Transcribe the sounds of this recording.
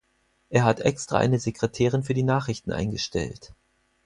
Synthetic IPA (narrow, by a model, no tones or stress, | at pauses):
ʔeːɐɦatʔɛkstʁ̥a̰ʔa̰ɪnəzekʁ̥etʰɛːʁ̞ɪnfyːɐdiːnaːχʁɪçtn̩ʔa̰ɪnɡəʃtɛ̰lt